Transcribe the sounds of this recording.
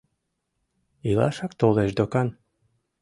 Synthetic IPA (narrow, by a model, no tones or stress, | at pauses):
ilɑ̰ʃɑk̚t̪oleʃd̪okɑn